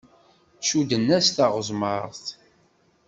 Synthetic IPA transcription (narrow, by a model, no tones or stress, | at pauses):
ʃud̪ənːæsθaʁəzˤməɾˤθ